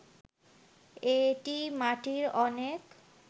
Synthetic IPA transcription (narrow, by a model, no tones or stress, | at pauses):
eʈimaʈiɾɔnek